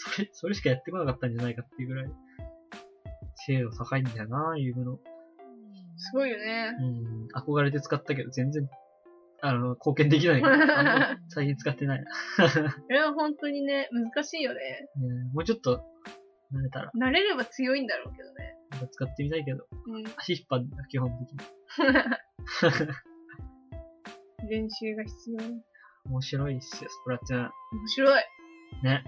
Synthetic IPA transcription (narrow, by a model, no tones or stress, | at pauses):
soɾeso̞ɾeɕi̥kajat̪ːe̞ko̞nakat̪ːãɲ̟d͡ʑanaikat̪ːeɯ̟ɡɯɾai | se̞ːosakaĩnd̪anaiɡɯ̟no | sɨɡo̞ijo̞ne̞ɯ̃ako̞ɡaɾe̞t̪̬e̞t͡sɨ̥kat̪ːak̬e̞d̪ozẽ̞nd͡zẽ̞ŋ | anokʰo̞ːkẽnd̪e̞k̬ʲinaika | saikʲĩnt͡sɨ̥kat̪ːe̞naḭ | soɾeβaɦõ̞nt̪o̞ɲ̟ine̞mzɨkaɕiːjo̞neemo̞ːt͡ɕo̞t̪ːo | naɾe̞t̪a̰ɾa̰naɾe̞ɾe̞bat͡sɨjo̞ĩnd̪aɾo̞̰ːke̞d̪o̞̰ne̞̰akat͡sɨ̥kat̪ːe̞mʲit̪aik̬e̞d̪õ̰aɕipːãnakʲihõ̞nt̪e̞kʲiɲi | ɾẽ̞ɰ̃ɕɨːɡaçi̥t͡sɨjo̞ːɲi | omoɕiɾo̞isɨjosokoɾat̪ːenaomoɕiɾo̞ine̞